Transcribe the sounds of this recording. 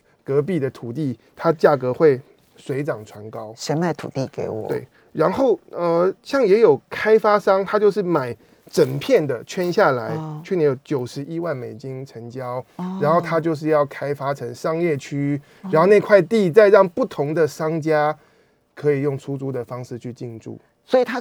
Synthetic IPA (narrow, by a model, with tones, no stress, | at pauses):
kɤ˧˥p̬i˥˩d̪ə˩t̪ʰu˨˩t̪i˥˩t̪ʰa˥t͡ɕja˥˩kɤ˧˦xwe˥˩ɪ | swe˧˥ɪʈ͡ʂɑ˨˩ŋt͡sʰwa˧˥nkɑ˦˥ʊʂə˧˥nmə˨˧t̪ʰṵ˨˩t̪i˥˩ke˧˥ɪwɔ̰˨˩t̪we˩˥˩ɪ | ɻa˧˦nxo˥˩ʊə˧ɕjɑ˥˩ŋjɛ˧˥jo˨˩ʊkʰa˥ɪfa˥ʂɑ˥ŋt̪ʰa˥t͡ɕjo˥˧ʊʂ̬ɻ̩˥˩ma˨˩ɪ | ʈ͡ʂə˨˩npʰjɛ˥˩nd̪ə˩t͡ɕʰɥɛ˥nɕja˥˩la˧˦ɪt͡ɕʰɥɛ˥˩˨nɛ˧˥jo˨˩ʊt͡ɕjo˨˩ʊʂɻ̩˧˦i˦wa˥˩nme˨˩ɪt͡ɕi˦ŋʈ͡ʂʰə˧˥ŋt͡ɕjɑ˦˥ʊɻa˧˦nxo˥˩ʊt̪ʰa˦˥t͡ɕjo˥˧ʊʂ̬ɻ̩˥˧jɑ˥˩ʊkʰa˥ɪfa˥ʈ͡ʂʰə˧˦ŋʂɑ˥ŋjɛ˥˩t͡ɕʰy˥ | ɻa˧nxo˥˧ʊne˥˧ɪkʰwa˥˧ɪt̪i˥˧t͡sa˥˧ɪɻɑ˥˧ŋpu˥˩t̪ʰʊ˨˧˥ŋd̪ə˨ʂɑ˥ŋt͡ɕja˥ | kʰɤ˧˦˥i˨˩jʊ˥˩ŋt͡sʰu˦t͡su˥d̪ə˨fɑ˥ŋʂɻ̩˥˧t͡ɕʰy˥˧t͡ɕi˥˧nʈ͡ʂṵ˥˩ | swɔ˧˥i˨˩t̪ʰa˦˥